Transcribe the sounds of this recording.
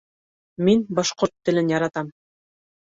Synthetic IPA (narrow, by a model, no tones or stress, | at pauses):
minbɑʃqoɾt̪ːɘ̆lɘnjɑɾɑt̪ɑm